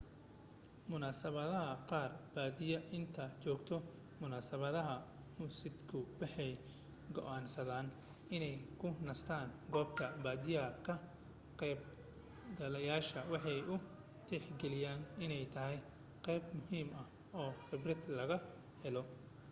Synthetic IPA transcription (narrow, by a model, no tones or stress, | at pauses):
mʊnaːsɐβɐðɐɦɐqɑːrb̥aːd̪ɪjɐʔɪnt̪ʰɐt͡ʃɔːɡt̪ʰɔ | mʊnaːsɐβɐðɐɦɐ | mʊsɪd̪kʰʊwɑħɑj | ɡɔ̰ʔaːnsɐðaːn | ɪnɛjkʰʊnɐst̪ʰaːnɡɔːb̚k̪ʰɐbaːd̪ɪjɐɐkʰɐ | qɛːb̚ | ɡɐlɐjaːʃɐwɑħɑjʔʊ | d̪ɛħɡɛlɪjaːnɪnɛjt̪ʰɐɦɛj | qɛjbmʊhiːmɐh | ɔːrɪbrɪd̪lɐɣɐ | hɛlɔ